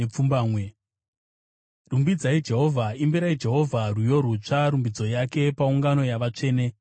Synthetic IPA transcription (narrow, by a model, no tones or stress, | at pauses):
ep͡fumbaːmwe | rumbid͡zaid͡ʒe̞ɦo̞vʱaimbiɾaid͡ʒe̞ɦo̞vʱarujo̞ɾut͡ʂaɾumbid͡zo̞jake̞pauŋɡano̞jaʋat͡ʂe̞ːne